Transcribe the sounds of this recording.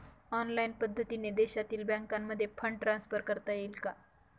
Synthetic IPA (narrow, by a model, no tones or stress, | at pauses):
ɔnlainpəd̪ʱːət̪ined̪eɕat̪iːlbãŋkamːəd̪ʱːjefʰəɳʈɾansfəɾkəɾt̪ajelka